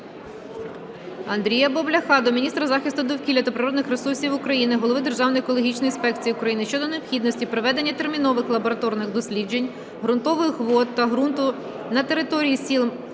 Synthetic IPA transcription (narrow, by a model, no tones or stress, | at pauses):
ɐnd̪ɾʲijɐbɔblʲɐxɑd̪ɔmʲinʲist̪ɾɐzɑxʲist̪ʊd̪ɔwkʲilʲɐt̪ɐpɾɪɾɔd̪nɪxɾesursʲiwʊkɾɐjinɪɦɔlˠɔʋɪd̪erʒɑwnɔjɛkɔlˠɔɦʲit͡ʃnɔjinspɛkt͡sʲijiʊkɾɐjinɪʃt͡ʃɔd̪ɔneɔpxʲid̪nɔsʲtʲipɾɔʋɛd̪e̞nʲːɐt̪e̞rmʲin̪ɔʋɪxlˠɐbɔɾɐt̪ɔrnɪxd̪ɔsʲlʲid͡ʒe̞nʲ | ɦɾʊnt̪ɔʋɪxxʋɔt̪ːɐɦɾunt̪ʊ | nɐt̪e̞ɾɪt̪ɔɾʲijisʲilˠm